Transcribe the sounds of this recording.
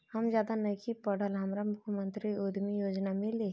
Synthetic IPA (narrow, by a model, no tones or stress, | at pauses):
həmd͡ʒjaːd̪anəjkʰipəɽ̤əlɦɐmɾamʊkʰjəmə̃nt̪ɾiod̪ʱmijoːd͡ʒnamɪle